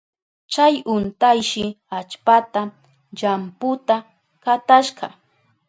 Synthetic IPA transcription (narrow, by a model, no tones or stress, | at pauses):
t͡ʃajʊnt̪ajʃɪ | at͡ʃpat̪a | ʎampʊt̪a | kat̪aʃɢɑ̰